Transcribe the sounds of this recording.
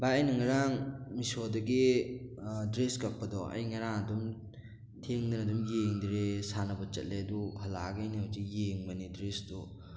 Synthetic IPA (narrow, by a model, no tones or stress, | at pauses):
baajnɐŋaɾaŋmisodɐɡe | dɾeskapːadɔa̰jŋaɾaŋɐdum | tʰeŋdinadumjeŋdiɾesanɐbɐt͡ʃɐ̰t̚leduhalaɡajnihazijeŋmanidɾesdɔ